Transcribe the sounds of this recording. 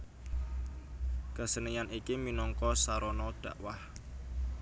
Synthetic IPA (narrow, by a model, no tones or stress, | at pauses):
kəsənijanikiminɔŋkɔsaɾɔnɔɖ̪̥ä̤̰ʔwah